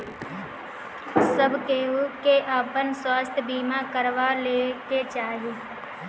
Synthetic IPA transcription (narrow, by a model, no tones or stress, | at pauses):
səbkeːɦukeʔaːpənswaːst̪ʰbiːmakəɾʋaleːkeːt͡ʃaːɦeː